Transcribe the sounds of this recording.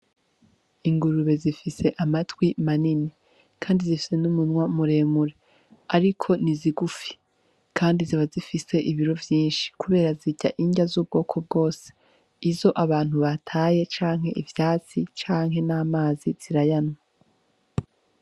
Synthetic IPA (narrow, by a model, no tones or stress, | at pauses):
iŋɡuɾuβe̞zifise̞ʔamatwimanini | kʰaːndizifi̥se̞numunŋwamuɾe̞ːmuɾe | aɾikʰo̞niziɡufi̥ | kaːndiziβazifise̞ʔiβiɾo̞vjiːnʃi̥kuβe̞ːɾaziɟa̰ʔiɲɟazuːb̚ɡo̞ːkʰo̞b̚ɡo̞ːse̥ | izo̞ʔaβaːn̥huβatʰaːje̞t͡ʃaːŋ̥he̞ʔivjaːt͡sit͡ʃaːŋ̥ɦe̞naːmaːziz̥iɾajanwa